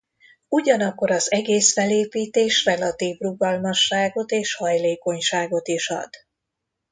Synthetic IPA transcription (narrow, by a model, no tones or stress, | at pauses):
uɟɒnɒkːo̞ɾɒzɛɡeːsfɛleːpiːt̪eːʃrɛlɒt̪iːvruɡɒlmɒʃːaːɡo̞t̪eːʃhɒjleːko̞ɲʃaːɡo̞t̪iʃɒ̰d̪̥